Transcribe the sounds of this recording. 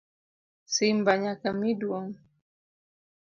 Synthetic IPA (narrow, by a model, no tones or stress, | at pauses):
simbaɲakamiduɔŋ